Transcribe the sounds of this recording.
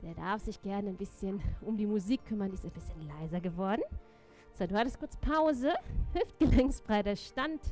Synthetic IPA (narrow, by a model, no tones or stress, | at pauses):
d̥eːɐdaɐfz̥ɪçɡ̥ɛɐnəaɪnbɪsçənʊmdiːmuziːkʰːʏmɐndiːɪstaɪnbɪsçənlaɪzɐɡəvɔɐdn̩ | z̥oduːhatəstkʊɐt͡spʰaʊzəhɪft̚ɡ̥əlɛŋsfʁ̥aɪdeːɐʃtant